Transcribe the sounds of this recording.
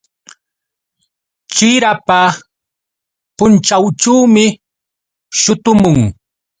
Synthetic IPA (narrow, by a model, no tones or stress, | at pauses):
t͡ʃɪɾapa | pʊnt͡ʃawt͡ʃawmɪ | ʃʊt̪ʊmʊŋ